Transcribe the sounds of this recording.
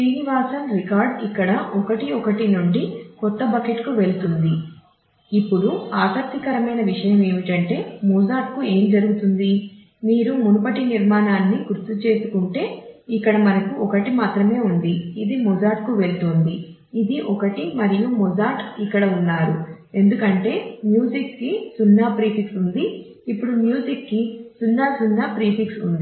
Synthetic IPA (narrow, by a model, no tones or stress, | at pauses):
ʃɾiːniʋaːsɐmɾikaːɾɖikːɐɽɐʔɔkɐʈiɔkɐʈinuɳɖikɔt̪ːɐbɐkeʈkuʋe̞ɭut̪und̪i | ipːuɽuaːsɐk̚t̪ikɐɾɐmɐjnɐʋiʂɐjɐme̞ːmiʈɐɳʈe̞ːmuːd͡ʒaːʈ̚kue̞ːmd͡ʒɐɾuɡut̪und̪i | miːɾumunupɐʈiniɾmaːnaːnːiɡuɾt̪ːut͡ʃe̞ːsukuɳʈe̞ːikːɐɽɐmɐnɐkuʔɔkɐʈimaːt̪ɾɐme̞ːund̪iːd̪imud͡ʒaːʈkuʋe̞ɭt̪oːnd̪iː | d̪iʔɔkɐʈimɐɾijumɔd͡ʒaːʈikːɐɽɐunːaːɾu | e̞nd̪ukɐɳʈe̞ːmjuːsikːisunːaːpɾiːpiksund̪iː | pːuɽumjuːd͡ʒikːisunːaːsunːaːpɾiːpiksund̪i